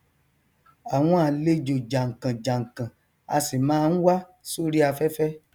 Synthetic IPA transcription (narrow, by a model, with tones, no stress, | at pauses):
a˨w̃ɔ̃˧a˧˨le˦d͡ʒo˨d͡ʒa˨ŋ̩˨kã˨d͡ʒa˨ŋ̩˨kã˨ | a̰˧si˨mãː˦n̩˦wa˦ | so˦ɾi˦a˧fɛ˦fɛ˦